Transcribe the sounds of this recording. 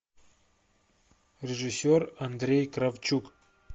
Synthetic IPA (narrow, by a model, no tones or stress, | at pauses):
rʲeʐɨsʲːorand̪rʲejkravt͡ʃʰukʼ